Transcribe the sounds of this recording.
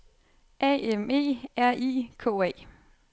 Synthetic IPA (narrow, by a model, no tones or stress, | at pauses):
ɛ̰eme̝̰ːæɐ̰ʔḭːkʰɔ̰̽ːɛ̰ː